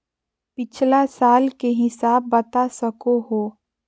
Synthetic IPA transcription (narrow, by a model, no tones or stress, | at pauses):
pɪt͡ʃʰlasaːlkeɦɪsaːb̚ːɐt̪asəkoɦoː